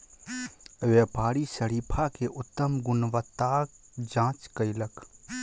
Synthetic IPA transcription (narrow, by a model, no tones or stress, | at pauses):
ʋepaːɾisəɾiːpʰakeʔʊt̪ːəmɡʊnʋət̪ːak | d͡ʒãːt͡ʃkəɪlək